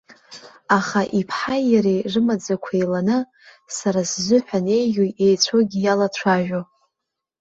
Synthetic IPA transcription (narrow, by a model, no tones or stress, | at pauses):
aχaʔipʰħajjaɾeʐɨmad͡zakʷʰejlanɨ | saɾaszʷʊħʷᶣane̞jʒʲujejt͡sʷʰoɡʲijalat͡ɕʷʰaʒᶣo